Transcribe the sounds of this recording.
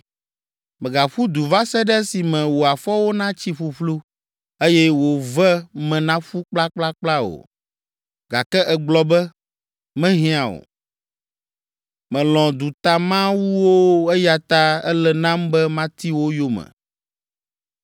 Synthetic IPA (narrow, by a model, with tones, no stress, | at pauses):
mɛ̃˨ɡa˨ɸu˦d̪u˨va˦sɛ˦ɖɛ˦si˨mɛ̃˨wo˨a˨fɔ˦wo˦nã˦t͡ɕi˦ɸu˨ɸlu˦ | e˦jɛ˦wo˨vɛ˦mɛ̃˨nã˦ɸu˦k͡pla˦k͡pla˦k͡pla˦o̰˨ | ɡa˨kɛ˦ʔɛ˨ɡ͡blɔ˦bɛ˦ | mɛ̃˦ɦĩ˦a˨wo̰˨ | mɛ̃˨lɔ̃˨d̪u˨t̪a˨mã˦wu˦wo˦ɛ˦ja˨t̪a˦ɛ̰˦lɛ˨nã˦mbɛ˦mã˦t̪i˦wo˦jo˦mɛ̰̃˨